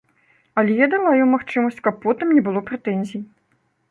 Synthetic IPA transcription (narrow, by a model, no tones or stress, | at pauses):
ɐlʲɛjad̪alˠajɔmaxt͡ʂɨmɐsʲt͡sʲkɐpːɔt̪ɨmnʲɛbɨlˠɔpɾɛt̪ɛnʲzʲij